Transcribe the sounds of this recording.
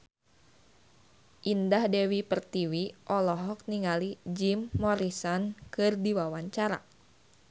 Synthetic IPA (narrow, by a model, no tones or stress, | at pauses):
ʔindahdewipərt̪iwiʔɔlɔɦɔk̚niŋalid͡ʒimːɔɾisɔnkɨrdiwawaɲt͡ʃaɾa̰